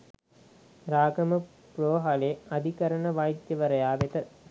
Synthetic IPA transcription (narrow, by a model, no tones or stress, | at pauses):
ɾaːɡɐmə | proːɦaleɐd̪ʱikɐɾəɳəʋajd̪jɐʋəɾɐjaːʋet̪ə